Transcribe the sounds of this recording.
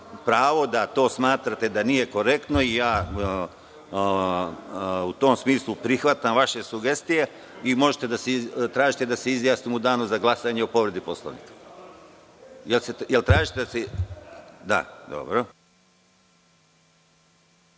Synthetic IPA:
pɾaːʋo̞d̪at̪o̞ːsmaːt̪ɾat̪e̞d̪anije̞ko̞ɾe̞kt̪no̞ijaː | ut̪o̞ːmsmiːslˠupɾixʋat̪amʋaʃe̞suɡe̞st̪ije̞ | imo̞ʒet̪e̞d̪aseit̪ɾaːʒit̪e̞d̪aseizjaːsnimud̪aːnuzaɡlˠasaɲe̞opo̞ʋɾe̞d̪ipo̞slˠa̰ʋnḭkḁ | jelsejelt̪ɾaːʒit̪ed̪ase | d̪a̰d̪o̞̰bɾo̞

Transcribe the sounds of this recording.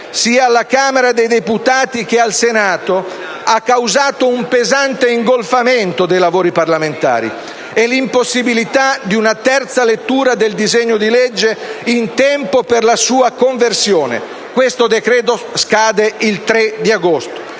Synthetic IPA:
siːaːlːakaːmeɾad̪ejd̪eput̪aːt̪ik̟ealsenaːt̪o | akːawzaːt̪oumpezant̪eiŋɡolfamɛnt̪od̪ejlavoːɾiparlament̪a̰ːɾḭ | ɛlimposːibilit̪ad̪iunat̪ɛrt̪salet̪ːuːɾad̪eld̪izɛɲːod̪ilɛd͡ʒːeint̪ɛmpoperlasuːakoɱversjoːnḛ | kwest̪od̪ekɾɛːt̪oskaːd̪eilt̪ɾɛd̪iaɡost̪o̥

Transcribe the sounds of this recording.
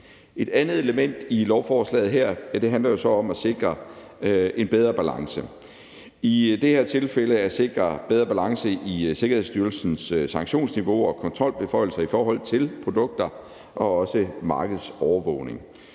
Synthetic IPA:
ʔe̝d̥ænð̩ˠe̝ləmen̰d̥ilɒʊfɒːslɛ̰ːð̩ˠɦeɐ̰d̥e̝ɦænlɐjo̝sɒ̽ɒ̽mæse̝ɡ̥ʁɐ | e̝nb̥eð̞ˠʁɐb̥ælɑ̈ŋsə | id̥e̝heɐ̰t͡sʰe̝lfeləæse̝ɡ̥ʁɐb̥eð̞ˠʁɐb̥ælɑ̈ŋsəʔise̝ɡ̥ɐhe̝ð̰ˠsd̥yːɐlsn̩ssɑ̈ŋɡɕo̝̰ːnsniʋo̝ɒ̽kʰɒ̽nt͡sʰʁɒ̽l̰b̥e̝fɒ̽ɪ̰l̩sɐifɒːɦɒ̽l̰t͡sʰe̝lpʰʁo̝d̥ɔ̽ɡ̥̚d̥ɐ | ʔɒ̽ɒ̽səmɑ̈ːɡ̥əð̞̩ˠsɒʊɐʋɔ̰̽ʊne̝ŋ

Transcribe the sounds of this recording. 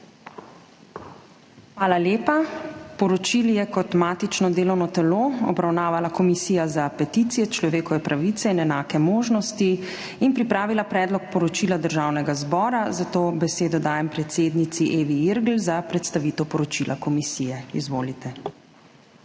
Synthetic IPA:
xʋaːlaleːpapɔɾɔt͡ʃiljɛkɔt̪maːt̪it͡ʃnɔd̪eːlɔwnɔt̪ɛloːɔ̰bɾawnaːʋalakɔmisiːjazapɛt̪it̪sijɛt͡ʃlɔʋeːkɔʋɛpɾʔaʋit̪sɛinɛnaːkɛmoːʒnɔst̪i | inpɾipɾaːʋilapɾɛːd̪lɔk̚pɔɾɔt͡ʃilad̪əɾʒawnɛɡazbɔːɾazat̪oːbɛseːd̪ɔd̪aːjɛmpɾɛt̪seːd̪nit̪siʔeːʋiiɾɡlzapɾɛt̪st̪aʋit̪ɛwpɔɾɔt͡ʃilʔakɔmisiːjɛizʋoːlit̪ɛ

